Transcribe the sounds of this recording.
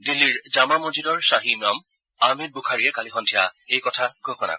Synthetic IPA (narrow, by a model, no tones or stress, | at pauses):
dilːiɹd͡ʒamamod͡ʒidɔɹsaɦimɔm | amed̚bukʰaɹiɛkalixɔntʰija̰ejkɔtʰaɡʱoxɔna̰